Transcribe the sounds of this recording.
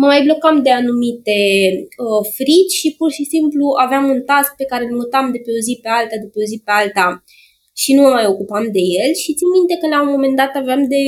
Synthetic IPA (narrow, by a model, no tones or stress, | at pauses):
məmajblo̞kamd̪e̞anumit̪e̞əfɾit͡ʃʲʃipurʃisimpluaveamunt̪ask̚pe̞kaɾe̞lmut̪amd̪epeozipe̞alt̪ad̪upeozipe̞alt̪a | ʃinuməmajo̞kupamd̪e̞je̞lʃit̪sinmint̪e̞kəlaomːome̞nd̪at̪aveamd̪e̞